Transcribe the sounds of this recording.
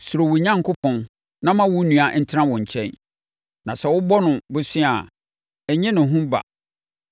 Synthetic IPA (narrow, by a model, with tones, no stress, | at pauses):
su˨ɾo˨wu˨ɲã˦ŋkʊ˦pʰɔ̃˦n | nã˦mã˦wʊ˦nũ˨a˦˨n̩˦tʰɾã˦wɔ̃˨ɲ̩˨t͡ɕʰɛ̰̃˦n | nã˨sɛ˨wʊ˦bɔ˦nʊ̃˨bʊ˦sɪ̃˦a˨ | ɛ˨ɲɪ̃˦nʊ̃˨ɦʊ̃˦ba̰˨